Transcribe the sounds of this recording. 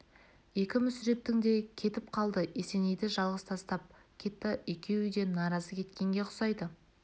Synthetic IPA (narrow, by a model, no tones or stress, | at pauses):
je̞kʲɪmʏsʏɾe̞p̚t̪ɪŋd̪e̞kʲʰe̞t̪ɪp̚qʰɑlˠd̪əese̞ne̞jd̪ɪʒɑlˠʁəst̪ʰɑst̪ɑp̚kʲʰe̞t̪ːɪekʲe̞wɪd̪e̞nɑɾɑzəkʲʰe̞t̪kʲe̞ŋɡʲe̞qʰʊ̥sɑjd̪ə